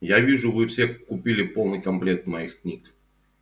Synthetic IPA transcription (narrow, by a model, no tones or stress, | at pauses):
javʲiʐʊvɨfsʲekʊpʲilʲɪpo̞lˠnɨjkɐmplʲet̪mɐjixknʲik